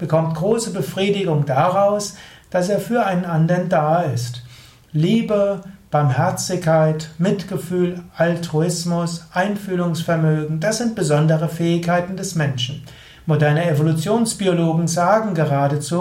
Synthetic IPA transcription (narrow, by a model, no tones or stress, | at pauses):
b̥əkʰɔmtɡ̥ʁoːsəbəfʁ̥iːdɪɡʊŋdaʁaʊs | d̥aseːɐfyːɐaɪnənʔandɐndaːɪst | liːbəb̥aɐmɦɛɐt͡sɪçkʰːaɪtmɪtɡ̥əfyːlʔaltʁ̥uɪsmʊsʔaɪnfyːlʊŋsfɛɐmøːɡŋ̩dasz̥ɪnt̚b̥əzɔndəʁəfɛːɪçkʰːaɪtn̩dɛsmɛnʃn̩ | modɛɐnəevolut͡sjoːnsb̥ioloːɡŋ̩zaːɡŋ̩ɡəʁaːdət͡suː